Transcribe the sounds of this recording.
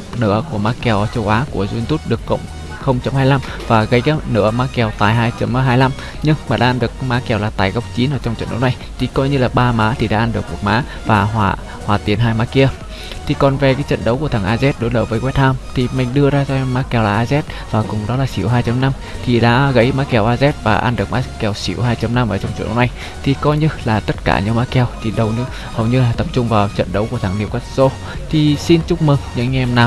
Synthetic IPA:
nɨ̰˧˥əku˧˩əmaː˨˦˥kɛ˧˩wt͡ɕə˨˧˦wʔaː˨˦ku˧˩əzu˧nt̪u˦˥t̚ɗɨ˨˩əkːə̰˧˨wŋ͡m | xə˧wŋ͡mt͡ɕə˧˦mhaː˧jla˧mvaː˨˩ɣə˨˦ja˦˥nɨ̰˧˥əmaː˨˦˥kɛ˧˩wt̪aː˨˩jɦaː˧jt͡ɕə˨˧˦m˧ɦaː˧jla˧m | ɲɨ˧ŋmaː˨˩ɗa̰ː˧ʔaː˧nɗɨ˨˩ək̚maː˨˦˥kɛ˧˩wlaː˨˩t̪aː˨˩jɣə˦˥wk͡p̚t͡ɕi˨˦nʔə̰ː˧˨˩t͡ɕɔ˧wŋ͡mt͡ɕə̰˧˨nɗə̰˨˦wna˨˩jt̪ʰi˨˩kɔ˨˧˦jɲɨ˧laː˨˩ɓaː˧maː˨˦t̪ʰi˨˩ɗa̰ː˧˦ʔaː˧nɗɨ˨˩ək̚mṵ˨˩əmaː˨˦ | vaː˨˩ɦwaː˧˩ | hwaː˨˩t̪i˨˩ənɦaː˧jmaː˨˦ki˧ə | t̪ʰi˨˩kɔ˨˩nve˨˩kaː˨˦jt͡ɕə̰˧˨nɗə˨˦wku˧˩ət̪ʰŋʔaː˧zɛ˦˥t̚ɗo˨˦jləː˨˩jvəː˨˦jkwɛ˦˥t̚haː˧mt̪ʰi˨˩mï˨˩ŋ̟ɗɨ˧əzaː˧zɔ˧ʔɛ˧mːaː˨˦˥kɛ˧˩wlaː˨˩ʔːzɛ˦˥t̚vaː˨˩kʊ˨˩ŋ͡mɗɔ˨˦laː˨˩sḭ˧˩əwɦaː˧jt͡ɕa˧mna˧m | t̪ʰi˨˩ɗa̰ː˧˥ɣə̰˧˥jmaː˨˦kɛ˧˩˨wʔaː˧zɛ˦˥t̚vaː˨˩ʔaː˧nɗɨ˨˩ək̚maː˨˦˥kɛ˧˩wsḭ˧˩əwɦaː˧jt͡ɕa˧mna˧mʔəː˧˩t͡ɕɔ˧wŋ͡mt͡ɕʔə̰˨˦wna˨˩j | t̪ʰi˨˩kɔ˧jɲɨ˧laː˨˩t̪ə˦˥t̚ka̰ː˧˩ɲɨ̰˧˥ŋmaː˦˥kɛ˧wt̪ʰi˨˩ɗə˨˩wɲɨ˧ | hə˨˩wɲɨ˧laː˨˩t̪ə˨˩p̚t͡ɕʊ˧ŋ͡mvaː˨˩wt͡ɕə̰˧˨nɗə˨˦wku˧˩ət̪ʰa˧˩ŋni˧˩əwkwɛ˦˥t̚so˧ | t̪ʰi˨˩si˧nt͡ɕʊ˦˥k͡p̚mɨ˨˩ŋɲɨ̰˧˥ŋː˧ɛ˧mnaː˨˩w

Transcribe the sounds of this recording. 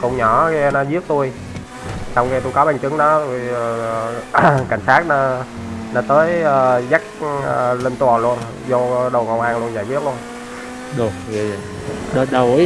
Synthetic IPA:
kʊ̰˧˩wŋ͡mɲɔ˧˩ɣɛ˧nɔ˨˦zi˦˥ək̚t̪u˧j | t͡ɕɔ˧wŋ͡mkɛ˧t̪u˧jkɔ˨˦ɓa˧˩ŋ̟t͡ɕɨ˨˦ŋɗɔ˨˦zu˧˩jka˧˩jŋ̟saː˦˥t̚nɔ˨˦ | nɔ˨˦t̪əː˨˦jəː˨˩za˦˥k̚ːle˧nt̪wɔ˨˩lu˧ən | zo˧ɗə˨˩ŋo̰˨˩wʔaː˧nlu˧ənzaː˧˩jkwi˦˥ət̚lu˧ən | ɗo˨˩ | a˧˨˩ | ɗə˨˧ɗə˨˩w

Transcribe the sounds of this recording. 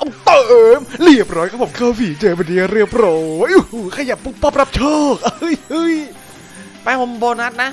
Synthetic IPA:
ʔa˧˩t̪ːɤ˨˩ʔɤː˧mli˨˧˩ə˩p̚ɾɔː˨˦˥jkʰa˧˥pʰo˨˩˦kʰaː˥˩wfiː˨˩˦t͡ɕɤː˧be˧˩ndiː˧˥˧ɾɯ˥˩əp̚ɾoː˧˩˧jʔɯ˧˩˧kʰa˧ja˨˩pːu˧˥˩pːɔː˥˩p̚ɾa˦˥p̚t͡ɕʰɔː˥˩k̚ʔjɯ˧˥j | pa˧jho˧mboː˧nha˦˥t̪̚na˦˥

